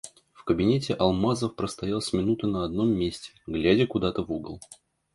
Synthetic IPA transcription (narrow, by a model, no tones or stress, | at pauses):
fkəbʲɪnʲetʲɪʔɐlˠmazəfpɾəst̪ɐjalˠsʲmʲɪnut̪ənəɐd̪̚no̞mːʲesʲtʲɪ̥ɡlʲædʲəkʊd̪at̪əvuɡəlˠ